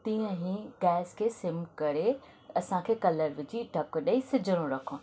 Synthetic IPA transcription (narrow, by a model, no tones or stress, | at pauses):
t̪ĩːə̃ɦĩɡɛːskʰeːsɪmkɐɾe | ɐsãkʰeːkɐləɾʋɪd͡ʑiɖʱɐkɗɐisɪd͡ʑʱəɾ̃õɾɐkʰõ